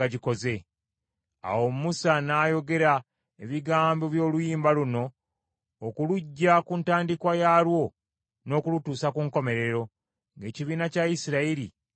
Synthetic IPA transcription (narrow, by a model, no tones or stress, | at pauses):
aɟiko̞ze̞ | a̰wo̞mmusanaːjo̞ɡe̞ɾa | eβiɡaːmbo̞βjo̞ːlujiːmbaluno̞ː | kuluɟːakuntaːndikwajalwo̞ | no̞ːkulutuːsakuŋko̞me̞ɾe̞ɾo̞ | ŋɡe̞ːciβiːnacaisiɾaiɾi